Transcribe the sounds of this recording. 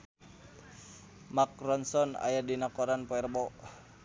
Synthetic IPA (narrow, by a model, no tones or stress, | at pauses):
mak̚rɔnsɔna̰jadinakɔɾanpɔɛrbɔ